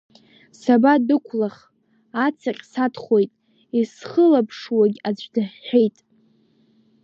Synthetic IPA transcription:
sabadɨkʷʰlaχ | at͡sʰaqʲʼsatχo̞jtʼ | isχəlapʰʂwaɡʲad͡zʷdɨħːʷᶣejtʼ

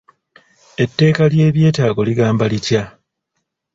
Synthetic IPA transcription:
e̞tːe̞ːkalje̞ːβje̞ːtaːɡo̞liɡaːmbalitja

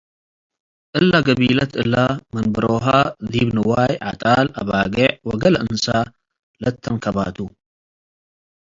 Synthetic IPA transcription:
ʔɨlːaɡɐβilɐt̪ɨlːamɐnbɨɾoɦad̪ibnɨwajʕa̰t̪ʼalɐβaɡɐʕwɔɡɐlɐʔɨnsa | lɐt̪ʰːɐnkʰɐβa̰t̪ʰu

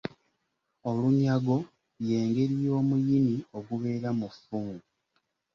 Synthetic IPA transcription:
o̞luɲaɡo̞ | jeːŋɡe̞ɾijo̞ːmujimio̞ɡuβe̞ːɾamufuŋɡu

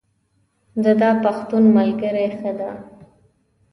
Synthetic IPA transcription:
d̪əd̪ɑpaxt̪unmalɡəɾajxəd̪a

